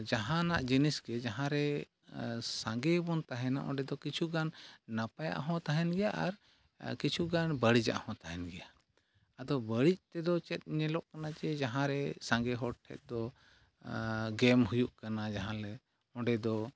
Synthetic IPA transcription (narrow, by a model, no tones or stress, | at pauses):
d͡ʒaɦãnaʔd͡ʒinisɡɛd͡ʒaɦãɾɛ | sãŋɡɛbɔnt̪aɦɛna̰ʔɔ̃ɖɛd̪ɔkit͡ʃʰuɡanːapaja̰ʔɦɔ̃t̪aɦɛnɡɛjaʔaɾ | kit͡ʃʰuɡanbəɽid͡ʒa̰ʔhɔ̃t̪aɦɛnɡɛja | ad̪ɔbəɽic̚t̪ɛd̪ɔt͡ʃɛt̪̚ˀɲɛlɔʔkanat͡ʃɛd͡ʒaɦãɾɛsãŋɡɛɦɔʈʰːɛ̰t̪̚ˀd̪ɔ | ɡɛmɦujuʔkanad͡ʒaɦãlɛ | ɔ̃ɖɛd̪ɔ